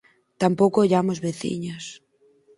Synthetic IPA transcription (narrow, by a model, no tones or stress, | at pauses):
t̪ampowkooʎamozβeθḭɲos